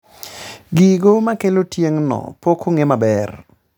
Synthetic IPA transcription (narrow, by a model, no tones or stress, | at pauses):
ɡiɡomakelotjeŋnɔ̰pokʰoŋemabɛr